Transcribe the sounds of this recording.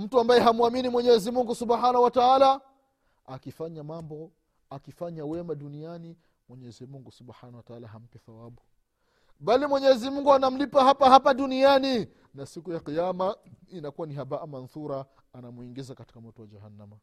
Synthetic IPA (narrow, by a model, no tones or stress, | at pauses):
m̩tuambajɛɦamuaminimwɛɲɛzimuŋɡusuɓħanahwataala | akifaɲamambɔ | akifaɲawɛmaɗuniani | mwɛɲɛzimuŋɡusubħanawataalaɦam̩pɛθawaɓu | ɓalimwɛɲɛzimuŋɡuanam̩lipahapaɦapaɗuniani | nasikujaqijamainakuwaniɦabaʔamanθuɾa | anamuiŋɡizakati̥kamɔtɔwad͡ʒahanːama